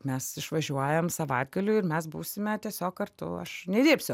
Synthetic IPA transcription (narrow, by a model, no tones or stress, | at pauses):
mʲɛsɪʃʋɐʒʲuɔjɛmsɐʋɐɪd̪̚ɡɐlʲuːɪɾmʲɛs̬buːsʲɪmʲɛt̪ʲiɛsʲoːk̚kɐrt̪ʊ̰ɐ̰ʃnʲɛd̪ʲeːpʲsʲʊ